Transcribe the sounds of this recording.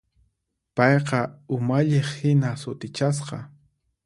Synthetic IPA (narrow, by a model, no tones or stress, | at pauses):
pɑjqɑʊmaʎeχhɪnasʊt̪ɪt͡ʃas̬qɑ